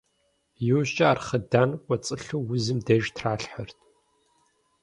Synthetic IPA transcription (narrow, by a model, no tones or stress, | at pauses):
juwɕt͡ʃʼɐaːrχɐdaːnkʷʼɔt͡sʼɨɬuwwʊzɨmdɐʒtʰraːɬħərtʰ